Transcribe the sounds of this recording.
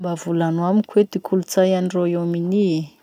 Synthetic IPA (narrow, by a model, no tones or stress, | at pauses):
mbavulanwamikʰwed̪ikʰulut͡sajanroewmini